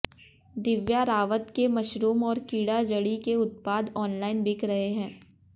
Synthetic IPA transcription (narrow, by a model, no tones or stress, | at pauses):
d̪ɪʋjaɾaːʋət̪kemɐʃɾuːmɔːɾkiːɽad͡ʒɐɽikeʊt̪̚paːd̪ɔːnlaːɪnbɪkʰɾɐɦeɦɛ̃ː